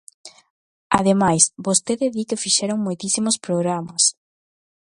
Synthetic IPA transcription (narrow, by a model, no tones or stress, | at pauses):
a̰ðemajsbost̪eðeðikefiʃɛɾoŋmojt̪isimospɾoɣɾamɐs